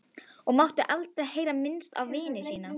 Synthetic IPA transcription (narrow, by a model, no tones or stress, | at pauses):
ɔɣmawht̪ʏʔalt̪ɾaheːjɾamɪnst̪a̰wvɪːnɪsiːna